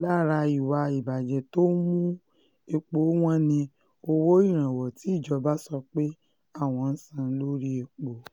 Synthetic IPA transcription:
la˦˨ɾa˧i˨wa˧i˨ba˨d͡ʒɛ˨to˦mũ˦ | e˧k͡po˨˦w̃ã˦nĩ˧ | o˧wo˦i˦˨ɾ̃ã˨wɔ˨ti˨˦i˦˨d͡ʒɔ˨˧˦ba˦sɔ˧k͡pe˦ | a˦˨w̃ɔ̃˧n̩˦sã˦˧n̩˦lo˦ɾi˦e˧k͡po˨

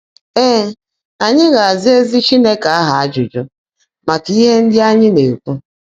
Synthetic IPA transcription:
eː˦ | a˨ɲɪ˦ɣa˨a˨zɪ˦e˦zi˦t͡ʃi˦ne˦ka˨a˦ɦa˨a˦d͡ʒʊ˨d͡ʒo˦ | ma˨ki˦ɦe˦n̩˦dɪ˦a˦ɲɪ˦ne˨u˨ku˦

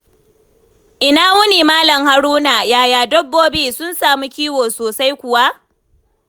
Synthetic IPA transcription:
ʔɪ˨naː˨wʊ˦niː˨maː˦lɐ˨ŋha˨ɾuː˦na˨jaː˦˨jaː˨dɔ˦bːoː˦biː˦sʊ˦nsaː˨mu˦kʲiː˦woː˨soː˨sa˦jkʷʊ˨wa˦ʔ

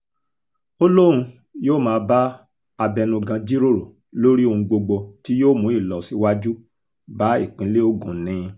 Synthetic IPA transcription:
o˦lo˦ɾ̃ũ˧ | joː˦˨mãː˨˦˧ba˦ | a˧bɛ˧nũ˧ɡã˧d͡ʒi˦ɾo˦˨ɾo˨ | lo˦ɾi˦o˧ũ˧ɡ͡bo˧ɡ͡bo˧ti˦joː˦˨mũ˨˦i˦˨lɔ˨si˨˦wa˦d͡ʒu˦ | ba˦ḭ˦˨k͡pĩ˨˦le˦o˦˨ɡṵ̃˨˦nĩ˨˧

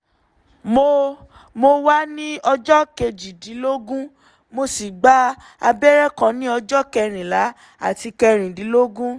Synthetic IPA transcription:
mo˧ | mo˧wa˦nĩ˦ɔ˧d͡ʒɔ˦ke˧d͡ʒi˨di˨˦lo˦ɡũ˦ | mo˧si˨ɡ͡ba˦ | a˧bɛ˦ɾɛ˦kã˧nĩ˦ɔ˧d͡ʒɔ˦kɛ˧ɾ̃ĩ˨la˨˦ | a̰˦˨ti˧kɛ˧ɾ̃ĩ˨di˨˦lo˦ɡũ˦

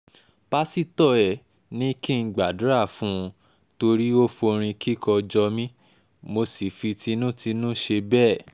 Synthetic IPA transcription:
pa˦si˦˧tɔ˦˨ɛ˨ | nĩ˦ki˦˧ɡ͡ba˨du˨˦ɾa˦˨fũ˦˧ | to˧ɾi˦o˦fo˧ɾ̃ĩ˧ki˦kɔ˧d͡ʒɔ˧mĩ˦ | mo˧si˨fi˧tʰi˧nũ˦ti˧˦nũ˦ʃe˧bɛː˦˨

